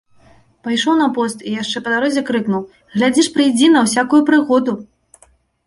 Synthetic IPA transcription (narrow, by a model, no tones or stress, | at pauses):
pajʂɔwnɐpɔst̪ijaʂt͡ʂɛpɐd̪aɾɔzʲɛkɾɨknuw | ɣlʲad͡zʲiʂpɾɨjd͡zʲinɐwsʲakujupɾɨɣɔd̪u